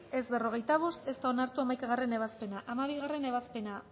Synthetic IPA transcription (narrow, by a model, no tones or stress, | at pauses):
e̞zβe̞ro̞ɣ̞e̞jt̪aβ̞o̞st̪e̞st̪ao̞naɾt̪uamajkaɣ̞are̞ne̞β̞aspe̞naʔamaβ̞iɣ̞are̞ne̞βaspe̞na